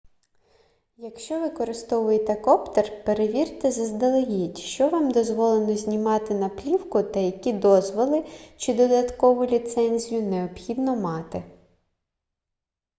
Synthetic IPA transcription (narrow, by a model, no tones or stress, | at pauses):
jɐkʃt͡ʃɔʋɪkɔɾɪst̪ɔʋʊjet̪ɛkɔpt̪erpeɾeʋʲirt̪ɛzɐzd̪ɐlˠeɦitʲʃt͡ʃɔʋɑmd̪ɔzʋɔlˠenɔzʲnʲimɑt̪ɪnɐplʲiwkʊt̪ɐjɐkʲid̪ɔzʋɔlˠɪt͡ʃɪd̪ɔd̪ɐt̪kɔʋʊlʲit̪sɛnʲzʲijʊneɔbxʲid̪nɔmɑt̪ɪ